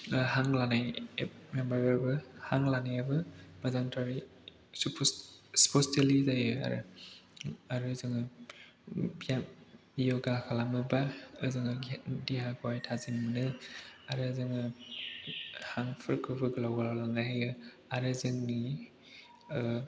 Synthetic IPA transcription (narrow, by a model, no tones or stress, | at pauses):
ɦaŋlanajmembaɾeɾbɯhaŋlanajabɯmɐzaŋtʰaɾi | supʰsu̥pʰostelizajɯa̰ɾɯ̰ | aɾɯzɯŋɯ | bia | ijoɡaakʰalamɯbaɯzɯŋɯdiɦaɡɔwajtʰazinmɯnɯaɾɯzɯŋɯ | haŋpʰɯɾkʰɯbɯɡɯlawɡalalanajɦajɯ | aɾezɯŋni